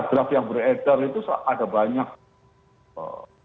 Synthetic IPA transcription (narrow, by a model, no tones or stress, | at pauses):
t̪ɾafjaŋbərɛt̪ərit̪usa̰ʔadabaɲak̚ | ə̰